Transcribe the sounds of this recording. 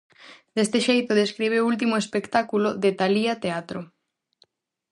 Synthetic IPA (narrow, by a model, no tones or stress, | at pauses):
d̪̥est̪eʃejt̪ʊðeskɾiβeult̪̬imoespekt̪akuloðet̪aliat̪eat̪ɾʊ